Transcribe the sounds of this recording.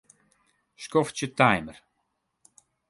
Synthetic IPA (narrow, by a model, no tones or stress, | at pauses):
skɔft͡ʃətajmər